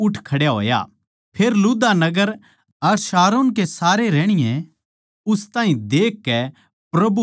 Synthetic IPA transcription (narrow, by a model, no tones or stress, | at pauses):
ʊʈʰkʰɐɽjaɦo̰ːja̰ | pʰeːɾlud̪anɐɡəɾ | ɐɾsaːɾoːnk̬esaːɾeɾɛːɽ̃ɪjɛ̃ | ʊst̪aːɦĩd̪eːkːɛ | pɾɐbu